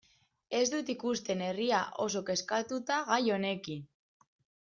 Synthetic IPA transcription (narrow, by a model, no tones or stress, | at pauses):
e̞zd̪ut̪ikust̪e̞ne̞riaʔo̞so̞ke̞skat̪ut̪aɣajo̞ne̞kin